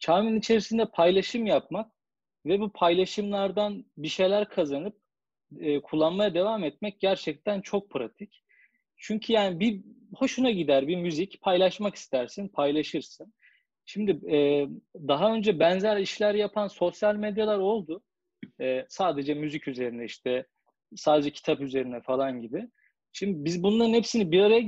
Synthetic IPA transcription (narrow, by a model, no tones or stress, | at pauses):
t͡ʃʰaːminit͡ʃʰe̞ɾisind̪ɛpʰajlˠaʃɯmjap̚mak̚ | vɛbupʰajlˠaʃɯmlˠaɾd̪anbiʃe̞jlʲæɾkʰazanɯp̚ | ɛːkʰulˠːanmajad̪e̞vaːmɛt̪̚mɛc̚ɟæɾt͡ʃʰɛc̚t̪ʰænt͡ʃʰo̞k̚pʰɾat̪ʰic | t͡ʃʰyɲcʰyjaːnibiho̞ʃunaɟid̪æɾbimyzicpʰajlˠaʃmaki̥st̪ʰæɾsinpʰajlˠaʃɯɾsɯn | ʃimd̪ɪɛːd̪aɦaø̞nd͡ʒɛbɛnzæɾiʃlʲæɾjapʰanso̞sjalʲmed̪jalˠaɾo̞lˠd̪ʊ | ɛːsaːd̪e̞d͡ʒɛmyzicʰyze̞ɾind̪ɛiʃt̪ʰɛ | saːd̪e̞d͡ʒɛcʰi̥t̪ʰapyze̞ɾinɛfalˠanɟibɪ | ʃimd̪ibizbunlˠaɾɯnhepsinibiɾaɾaja